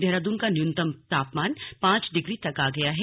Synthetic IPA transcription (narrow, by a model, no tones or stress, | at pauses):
d̪ɛɦɾaːd̪uːnkanɪjʊ̃nt̪əmt̪aːpmaːnpãːt͡ʃɖɪɡɾit̪ɐkaːɡɐjaɦɛ